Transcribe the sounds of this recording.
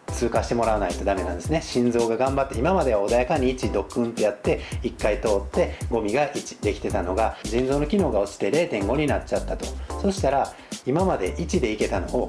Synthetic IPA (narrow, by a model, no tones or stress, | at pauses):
t͡sɨːkaɕi̥t̪e̞mo̞ɾaanait̪o̞d̪ame̞nãnd̪e̞sɨneɕĩnzo̞ːɡaɡãmbat̪ːeimamad̪e̞βao̞d̪ajakaɲ̟iːt͡ɕid̪o̞kːɯ̟̃nt̪o̞jat̪ːe̞ikːait̪o̞ːt̪ːe̞ɡo̞mʲiɡaʔit͡ɕi̥d̪e̞kʲi̥t̪e̞t̪ano̞ɡad͡ʑĩnzo̞ːno̞kʲino̞ːɡao̞t͡ɕi̥t̪e̞ɾe̞ːt̪ẽ̞ŋɡo̞ɲ̟inatt͡ɕːat̪ːat̪o̞so̞ɕi̥t̪aɾa | imamad̪e̞ʔit͡ɕid̪e̞ike̞t̪ano̞o